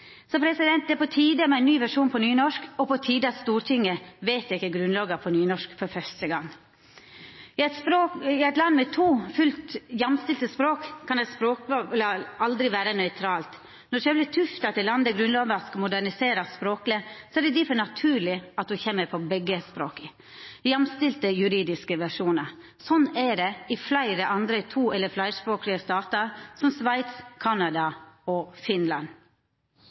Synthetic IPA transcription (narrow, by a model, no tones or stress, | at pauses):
sɔpʰɾɛsɪd̪ɛnt̪d̪ɛæɾpʰɔt̪ʰiːd̪əmɛæɪnyːʋæʂuːnpʰɔnyːnɔʂkɔpɔt̪ʰiːd̪əɑt̪st̪uːɾt̪ʰɪŋːəʋɛɪt̪ɪkːəɡɾʉnlɑːɡɑpʰɔnyːnɔʂkfɔɾfœʂʈəɡɑŋː | ɪɛt̪spɾoɪæɪt̪lɑnːmɛt̪ʰuːfʉlt̪jɑmst̪ɪlt̪əspɾoːkkʰːɑnæɪt̪spɾoːk̚ːlɑʔɑld̪ɾɪʋæːɾənœʏt̪ʰɾɑːlt̪ | nɔʃɛːblɪt̪ʰʉft̪ɑt̪ʰɪlɑnd̪əɡɾʉnlɑːʋəɑskɑmʊd̪æɳɪseːɾɑspɾoːklɪsɔæɖɛd̪ɪfɔnɑt̪ʰʉːɭɪɑt̪̚d̪ʉçɛmːəɾpʰɔbɛɡːəspɾoːkə | jɑmst̪ɪlt̪əjʉɾiːd̪ɪskəʋæʂuːnəɾ | sɔnæɖɛɪflæɪɾəʔɑnd̪ɾət̪ʰuːɛlːəflæɪspɾoːklɪəst̪ɑːt̪ɑɾsɔmsʋæɪt̪skʰɑnɑd̪ɑɔfɪnlɑn